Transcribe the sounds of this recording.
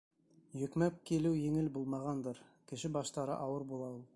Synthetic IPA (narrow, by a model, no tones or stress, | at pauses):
jɵ̆kmæp̚kilɘwjɘ̆ŋɘlbulˠmɑʁɑnd̪ɤɾkɘ̆ʃɘbɑʃt̪ɑɾɤ̰ʔɑwɤɾbulˠɑulˠ